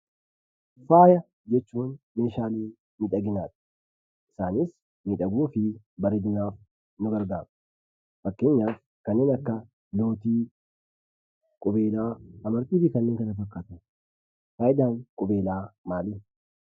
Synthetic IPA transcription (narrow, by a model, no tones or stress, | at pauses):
faːjɐ | d͡ʒɛt͡ʃːuːn | me̞ːʃaːliː | miᶑɐɡɪnaːt̪ɪ̥ | ʔɪsaːnɪs | miᶑɐɡuːfɪ | bɐɾɛd̪ɪnaːf | nʊɡɐɾɡaːm | fɐkːe̞ːɲːaːf | kɐnːeːnɐkːɐ | lo̞ːt̪iː | kʼʊbe̞ːlaːɐmɐɾt̪iːfɪkɐnːeːŋkɐnɐfɐkːaːt̪ɐ | faːjɪd̪aːŋkʼʊbe̞ːlaːmaːlɪ